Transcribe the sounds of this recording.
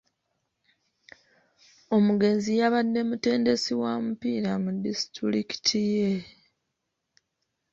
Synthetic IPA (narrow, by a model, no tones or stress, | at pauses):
o̞muɡe̞nzijaβadːe̞mute̞ːnde̞siwaːmupiːɾamudːistuɾiki̥tʰije